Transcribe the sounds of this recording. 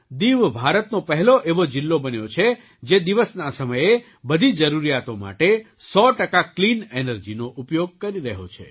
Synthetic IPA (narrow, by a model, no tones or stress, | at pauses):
d̪iʋbʱaɾət̪nopəɦɛloʔeʋod͡ʒɪlːobənjot͡ʃʰe | d͡ʒed̪iʋəsnasəməje | bəd̪ʱid͡ʒəɾuɾijat̪oma̰ʈe | sɔʈəkaklinenəɾd͡ʒinoʔupjoɡ̚kəɾiɾəɦo̰t͡ʃʰḛ